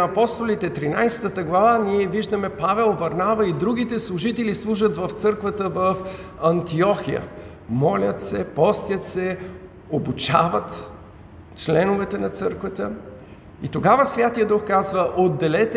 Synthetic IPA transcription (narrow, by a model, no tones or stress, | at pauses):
ɐpɔst̪olit̪ɛt̪ɾinajsɛ̥t̪ət̪əɡlˠɐvaniɛviʒd̪əmɛpavɛlˠvɐɾnavəid̪ɾuɡ̟it̪ɛslˠuʒit̪ɛlislˠuʒət̪vəft̪sɤɾkvət̪əvəf | ɐnt̪iɔxijə̰ | mɔlʲət̪sɛpɔst̪jət̪sɛ | obut͡ʃavət̪ | t͡ʃlɛnʊvɛt̪ɛnɐt̪sɤɾkvət̪ə | ḭt̪oɡavəsvʲjat̪ijəd̪uxkazvəʔod̪ːɛlɛt̪